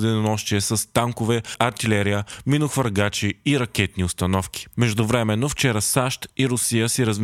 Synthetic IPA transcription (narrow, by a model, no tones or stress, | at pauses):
d̪ɛnonɔʃt̪iɛsɐst̪aŋkʊvɛʔɐɾt̪ilɛɾijəminʊxvəɾɡat͡ʃiiɾɐk̟ɛt̪niʊst̪ɐnɔfkʲi̥mɛʒd̪ʊvɾɛmɛnːoft͡ʃɛɾəsaʃt̪iɾʊsijəsiɾəzm